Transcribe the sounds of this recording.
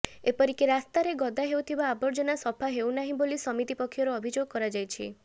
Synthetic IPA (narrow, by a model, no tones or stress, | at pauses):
epɔɾikiɾast̪aɾeɡɔd̪aɦewt̪ʰibaːbɔɾd͡ʒɔnasɔpʰaɦewnaɦĩbolisɔmit̪ipɔkʰːjɔɾɔːbʱid͡ʒoɡ̚kɔɾad͡ʒajt͡ʃʰḭ